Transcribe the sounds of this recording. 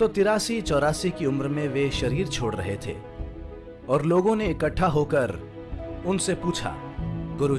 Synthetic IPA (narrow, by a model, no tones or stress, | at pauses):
t̪ot̪ɪɾaːsit͡ʃɔːɾaːsikiʊmɾmẽʋeʃɐɾiːɾt͡ʃʰoːɽɾɐɦet̪ʰḛː | ɔːɾloːɡõneɪkəʈʰːaɦokɐɾ | ʊnsepuːt͡ʃʰa̰ːɡʊɾu